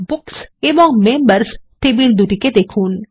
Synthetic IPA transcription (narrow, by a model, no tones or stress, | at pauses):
bʊkseʋɔ̃ŋmẽːmbəɾsʈeːbild̪uʈiked̪eːkʰuːn